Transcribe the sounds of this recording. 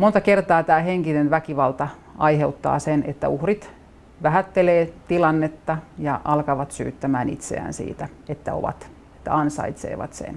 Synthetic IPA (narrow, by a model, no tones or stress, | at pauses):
mont̪ɑkert̪ɑːt̪æːheŋkinenʋækiʋɑlt̪ɑ | ɑiheut̪ːɑ̰ːsenet̪ːæ̰uhrit̪ | ʋæhæt̪ːeleːt̪ilɑnːet̪ːɑjɑʔɑlkɑʋɑt̪sy̰ːt̪ːæmæːnḭt̪sḛæ̰nsḭːt̪æet̪ːæo̰ʋɑ̰t̪ | e̥t̪ːæ̰ɑnsɑ̰it̪sḛːʋɑ̰t̪sḛn